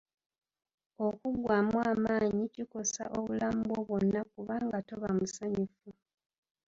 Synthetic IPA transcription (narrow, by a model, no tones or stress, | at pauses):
o̞kuɡwaːmwaːmaːɲiciko̞sa̰ʔoβulaːmbo̞βwo̞nːak̚uβaːŋɡato̞βamusaɲufu